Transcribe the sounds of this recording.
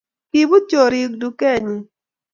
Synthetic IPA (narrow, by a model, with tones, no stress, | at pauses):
ki˨bu˦t͡ʃo˨ɾi˨˦kdu˨kɛ˦˨ɲi˨